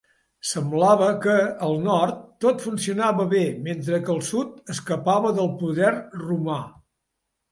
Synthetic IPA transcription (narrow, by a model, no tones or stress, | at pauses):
səmblaβəkəəlˠnɔrt̪ːot̪funsiunaβəβement̪ɾəkəlˠsut̪əskəpaβəðəlˠpuðɛrruma